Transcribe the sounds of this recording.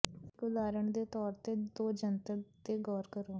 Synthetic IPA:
kʊd̪aːɾəɳd̪eːt̪ɔːɾt̪eːd̪oːd͡ʒənt̪ət̪eːɡɔːɾkəɾoː

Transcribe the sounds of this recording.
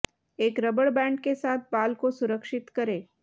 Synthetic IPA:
eːkɾəbəɽbɛ̃ːɳɖkesaːt̪̚ʰbaːlkosʊɾəkʃɪt̪kəɾe

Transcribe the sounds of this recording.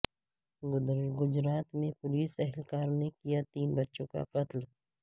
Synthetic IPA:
ɡʊɡʊd͡ʒɾaːt̪mẽpʊliːsɛɦɛlkaːɾnekijat̪iːnbɐtːʃõka̰qɐt̪l

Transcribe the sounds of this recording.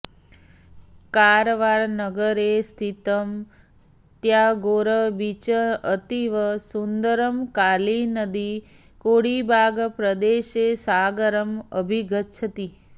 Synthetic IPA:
kaːɾʋaːɾnəɡəɾest̪ʰit̪əm | t̪jaːɡoːɾəbit͡ʃəət̪iʋəsund̪əɾəmkaːlinəd̪i | koːɽibʱaːɡpɾəd̪eːʃeːsaːɡəɾəmə̰bʱiɡʱətt͡ʃʰət̪i

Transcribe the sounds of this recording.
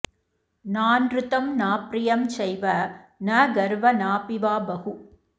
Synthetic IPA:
naːnɾɯt̪ɐmnaːpɾɪjɐmsɛjʋɐnɐɡɐɾʋɐnaːpɪʋaːbɐhu

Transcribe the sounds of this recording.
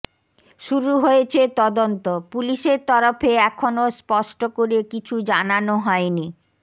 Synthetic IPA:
ʃuɾuɦojet͡ɕʰet̪ɔd̪ont̪opuliʃeɾt̪ɔɾofeɛkʰonospɔʃʈokoɾekit͡ɕʰud͡ʑananoɦɔeni

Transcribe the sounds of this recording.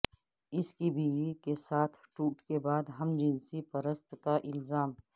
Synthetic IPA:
ɪskibʱiːwikesaːt̪ʰʈuːʈkebaːd̪ɦɐmd͡ʒɪnsipəɾəst̪kaʔɪlzaːm

